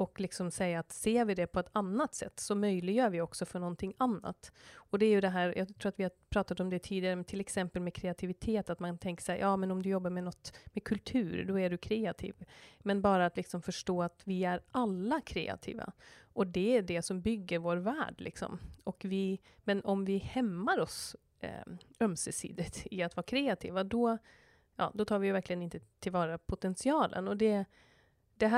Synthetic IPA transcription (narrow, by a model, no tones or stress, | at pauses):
ɔklɪksɔmsɛjːaːt̪seːɾvɪd̪ɛpʰɔɛt̪anːat̪sɛ̰t̪ːsɔmœjlɪɡjœːɾvɪɔksɔfœɳɔnt̪ʰɪŋːanːa̰t̪ɔd̪ɛːjɵd̪ɛɦæːɾjʔɑ̰ɡt̪ʰɾuːat̪vɪhapʰɾɑːt̪at̪ɔmd̪ɛt̪ʰiːd̪ɪaɾət̪ʰɪlɛksɛmpəlmɛkʰɾɛat̪ʰɪvɪt̪ʰeːt̪at̪maŋnt̪ʰɛŋkə̥ʂɛjʔɑːmɛnɔmd̪ɵjɔbːaɾmɛnɔt̪ːmɛkʰɵlt̪ʰʉːɾd̪ɔæɖɵkʰɾeːat̪ʰḭːvmɛnbɑːɾaat̪lɪksɔmfœʂʈoːat̪vɪæɾalːakʰɾḛːa̰t̪ʰḭːva̰ʔɔd̪ɛæɖɛsɔmbʏɡːəɾvoːɾvæːɖlɪ̰ksɔ̰mɔkvɪ | mɛnɔmvɪhɛmːaɾɔs | œmsɛsḭːd̪ɪt̪ɪat̪vɑːɾakʰɾeːat̪ʰḭːvad̪ɔ | jɑ̰ːd̪ɔt̪ʰɑːɾvɪjvæɾklɪɡənɪnt̪ət̪ʰɪlvɑːɾapʰʊt̪ɛnsɪɑːlʔə̰nɔd̪ɛ | d̪ɛɦ